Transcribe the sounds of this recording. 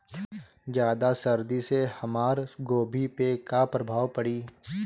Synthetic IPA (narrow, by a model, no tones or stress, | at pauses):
d͡ʒjaːd̪asɐɾd̪isehɐmaːɾɡoːbʱipekapɾɐbʱaːʋpəɽiː